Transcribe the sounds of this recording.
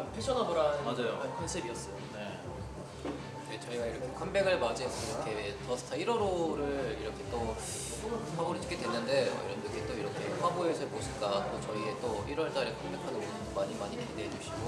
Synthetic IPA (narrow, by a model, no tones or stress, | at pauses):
ampʰet͡ɕʰʌnɦadoɾanɯnmad͡ʑajoepʰjʌnsʰebiʌs͈ʌjone̞ | net͡ɕʌiɡaiɾʌkʰʌnkʰambe̞ɡɯɭmad͡ʑeɡiɾʌkʰe̞tʌs͈ʰʌ̥tʰaiɾʌɾoɾɯɭiɾʌkʰe̞t͈o | onɯwaboɾɯt͡ɕʰɯ̥k͈ʰedwenːɯnde̞ʌ̰ḭɾʌndɯkʰet͈oiɾʌkʰe̞ɸwaboesʰʌɭbosʰɯɭk͈at͈ot͡ɕʌie̞t͈oiɾwʌɭt͡ɕ͈aɾekʰambekʰadoonɯnmaɲimaɲipideɦed͡ʑuɕʰiɡo